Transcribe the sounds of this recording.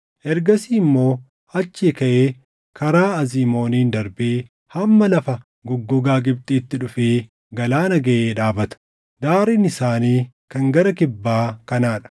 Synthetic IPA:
ʔɛɾɡɐsiːɪmːo̞ː | ɐt͡ʃːeːkɐʔeː | kʰɐɾaːɐziːmo̞ːniːnd̪ɐɾbeː | hɐmːɐlɐfɐ | ɡɔɡːɔɡaːɡɪbt̪ʼiːt̪ːɪᶑʊfeː | ɡɐlaːnɐɡɐʔeːᶑaːbɐt̪ɐ̥ | d̪aːɾɪnɪsaːniː | kɐŋɡɐɾɐkɪbːaːkɐnaːᶑɐ̥

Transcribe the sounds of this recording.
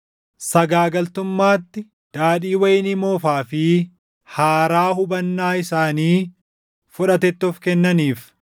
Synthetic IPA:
sɐɡaːɡɐlt̪ʊmːaːt̪ːɪ | d̪̥aːᶑiːwɐjɪnɪmoːfaːfɪ | haːɾaːhʊbɐnːaːɪsaːniː | fʊᶑɐt̪ɛt̪ːɔfkɛnːɐniːf

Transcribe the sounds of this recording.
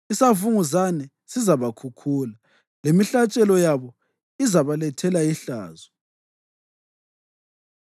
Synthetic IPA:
isavuŋuzanɛ | sizaβakʰukʰuːla | lemiɬat͡ʃʼɛlɔjaβɔ | izaβalɛtʰɛlaiɬa̰ːzɔ

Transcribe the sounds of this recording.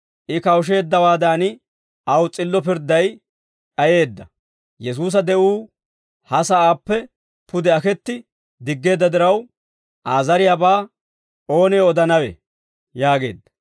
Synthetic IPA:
ʔɪkɐwʃ̬e̞ːd̪ːɐwaːd̪aːnɪ | ʔɐwt͡sʼɪlːɔp̬ɪɾd̪ːɐj | ᶑɐje̞ːd̪ːɐ | jɛs̬uːs̬ɐd̪ɛʔuː | hɐsɐaːpːɛ | pʰʊd̪ɛɐkɛt̪ːɪ | d̪ɪɡːe̞ːd̪ːɐd̪ɪɾɐw | ʔaːzɐɾɪjabaː | o̞ːneːɔd̪ɐnɐwɛ̰ | jaːɡe̞̰ːd̪ːɐ

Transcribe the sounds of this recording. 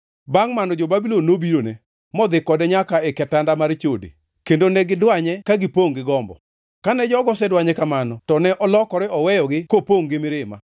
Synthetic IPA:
baŋmanɔd͡ʒobabilonːobiɾone | mɔd̪ɪkːɔdɛɲakaɛkɛtandamaɾt͡ʃodḛ | kendonɛɡɪdwaɲɛkaɡɪpoŋɡɪɡɔmbɔ̰ | kanɛd͡ʒɔɡɔsɛdwaɲɛkamanɔtɔnɛʔɔlɔkɔɾɪɔwɛjɔɡɪkopoŋɡɪmɪɾɪma̰

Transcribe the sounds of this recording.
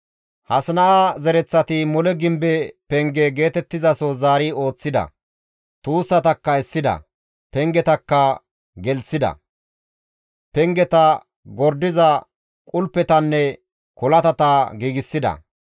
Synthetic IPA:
hɐsnɐʔazɛɾɛt͡sːɐt̪ɪmɔlɛɡɪmbɛpɛŋɡɛɡe̞ːt̪ɛt̪ːɪzɐsozaːɾɪo̞ːt͡sːɪd̪ɐ̰ | t̪uːsːɐt̪ɐkːɐɛsːɪd̪ɐ̰ | pɛŋɡɛt̪ɐkːɐ | ɡɛlsːɪd̪ɐ̰ | pɛŋɡɛt̪ɐ | ɡɔɾd̪ɪzɐ | kʼʊlpːɛt̪ɐnːɛ | kɔlɐt̪ɐt̪aːɡiːɡɪsːɪd̪ɐ̰

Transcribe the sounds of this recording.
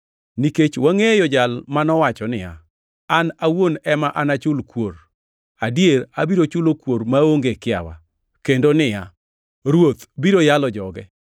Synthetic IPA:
niket͡ʃwaŋejɔd͡ʒalmanɔwat͡ʃɔnɪja̰ | anawonɛmaʔanat͡ʃʊlkwor | adijeɾabiɾot͡ʃʊlokwoɾmaoŋɡekɪa̰wa̰ | kendonɪja | ɾwot̪biɾojalɔd͡ʒɔɡɛ

